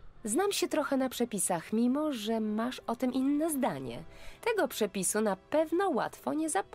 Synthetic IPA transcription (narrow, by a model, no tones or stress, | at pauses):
znamɕɛt̪ɾɔxɛnapʂɛpʲisaxmʲimɔʐɛmaʂɔt̪ɘmʔinːɛzd̪aɲɛ̰t̪ɛɡɔpʂɛpʲisunapɛvnɔwa̰t̪fɔɲɛzap